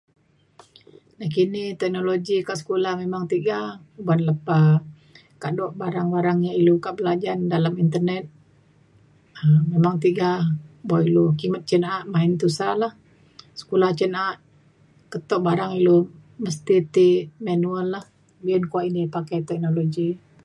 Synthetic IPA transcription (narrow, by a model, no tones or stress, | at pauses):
nahkinit̪ɛk̚noloɡikaʔsə̥kulahmemaŋt̪iɡaubanləpa | kaʔdɔʔbaɾaŋbaɾaŋɲailukaʔbəlad͡ʒandalamint̪ərnɛt̪̚ | əmemaŋt̪iɡabɔilukimət̪̚t͡ʃənaʔmaint̪usalah | sə̥kulaht͡ʃənaʔ | kət̪ɔʔbaɾaŋiloməst̪it̪imanuəlːah | biənkuaʔinipakajt̪ɛk̚noloɡi